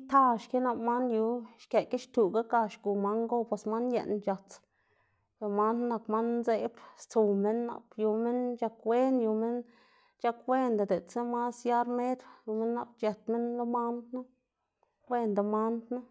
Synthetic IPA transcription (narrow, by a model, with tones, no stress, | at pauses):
i˦t̪a˧˨ʃke˦na˧ma˦nju˧ʃke˨ke˦ʃt̪u˨ɡa˦ka˧ʃɡu˨ma˧ŋɡo˦pwe˨sma˦njḛ˧˨nt͡ʃa˨t͡s | pe˨ɾma˦nːa˧kma˦nze˦bst͡su˨me˦nːa̰˧kju˧me˦nt͡ʃa˧kwe˦nju˧me˦n | t͡ʃa˧kwe˦˧nd̪a˨d̪e˨t͡se˦ma˦sja˦ɾme˦d̪ju˧me˦nːa˧p̚t͡ʃe˨t̪̚me˦nlo˦ma˦nd̪na˦ | we˧nd̪a˨ma˦nd̪nu˦